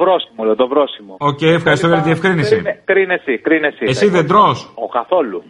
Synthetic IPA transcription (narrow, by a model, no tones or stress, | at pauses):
vɾosimoleot̪ovɾosimooce̞jefxɐɾist̪ojɐt̪iefkɾinisikɾinesikɾinesiesiðend̪ɾosokɐθo̞lu